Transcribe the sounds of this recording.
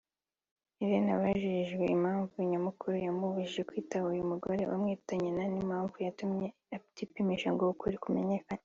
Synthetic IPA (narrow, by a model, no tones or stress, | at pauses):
iɾenaβaʒiʒɡweimaːɱvuiɲamukuɾujamuβiʒiʒekwiːtaβaujumuɡoɾe̞ʔamŋiːtaɲenanimaːɱvujatumɲe̞ | afi̥tipimiʃaŋɡoukuɾikume̞ɲekan